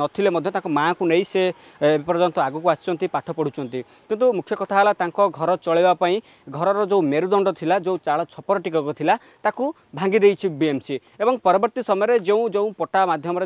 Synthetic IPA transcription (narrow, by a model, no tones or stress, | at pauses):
ɔt̪ʰilemɔd̪ʱjɔt̪ãŋkɔmakunejseː | bipɔɾd͡ʒɔnt̪ɔaɡukuasi̥t͡ʃʰɔnt̪ipaʈʰɔpɔɽ̤ut͡ʃʰɔnt̪i | kint̪umukʰjɔkɔt̪ʰaɦalat̪aŋkɔɡʱɔɾɔt͡ʃɔɭibapaĩ | ɡʱɔɾɔɾɔd͡ʒeũmeɾud̪ɔɳɖɔt̪ʰilad͡ʒeũt͡ʃaɭɔt͡ʃʰɔpɔɾɔʈikɔkɔt̪ʰila | t̪aku | bʱaŋɡid̪ejt͡ʃʰibiemsi | ebɔŋpɔɾɔbɔɾt̪isɔmɔjɔɾed͡ʒeũd͡ʒeũpɔʈamad̪ʱjɔmɔɾe